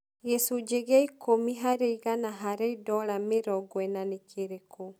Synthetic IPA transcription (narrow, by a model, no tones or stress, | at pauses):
ɣɛsud͡ʒeɣɛikʰomiɦaɾeiɣanaɦaɾeidɔɾameɾɔɡwɛnanekʰeɾeko